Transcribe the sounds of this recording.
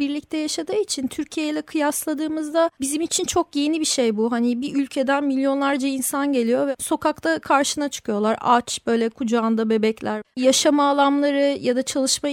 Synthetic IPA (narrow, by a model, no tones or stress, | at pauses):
biɾlʲic̚t̪ʰɛjaʃad̪ɯːit͡ʃʰint̪ʰyɾcʰijejilʲɛkʰɯjaslˠad̪ɯːmɯzd̪abizimit͡ʃʰint͡ʃʰo̞kjejnibiʃejbuɦanibiʔylʲcʰe̞d̪ænmilʲjo̞nlˠaɾd͡ʒainsanɟe̞lʲijo̞vɛso̞kakt̪akʰaɾʃɯnat͡ʃʰɯ̥kʰɯjo̞lˠaɾa̰t͡ʃb̥ø̞jlʲɛkʰud͡ʒaːnd̪abe̞bɛclʲæɾjaʃamaːlˠamlˠaɾɯjad̪at͡ʃʰalˠɯʃma